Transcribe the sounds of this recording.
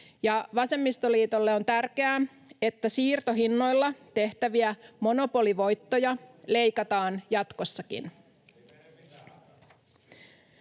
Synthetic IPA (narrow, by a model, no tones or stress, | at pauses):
jɑʋɑse̞mːist̪oliːt̪o̞lːeo̞nt̪ærk̟eæː | e̞t̪ːæsiːrt̪oɦinːo̞jlːɑt̪e̞ht̪æʋiæmo̞no̞po̞liʋo̞jt̪ːo̞jɑle̞jkɑt̪ɑːnjɑt̪ko̞sːɑkḭn